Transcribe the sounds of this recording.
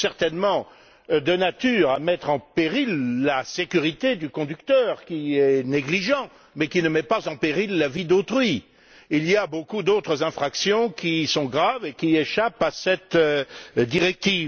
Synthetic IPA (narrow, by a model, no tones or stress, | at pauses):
sɛʁt̪ɛnmɑ̃ | d̪ənat̪yːʁamɛt̪χɑ̃peʁilːasekʲyʁit̪ed̪ykɔ̃d̪ykt̪œːʁkʲiɛneɡliʒɑ̃ | mɛkʲinəmɛpazɑ̃peʁilːavid̪ot̪χɥi | ilijabokud̪ot̪χəzɛ̃fχaksjɔ̃kʲisɔ̃ɡʁavekʲieʃapasɛt̪ | d̪iʁɛk̚t̪iːv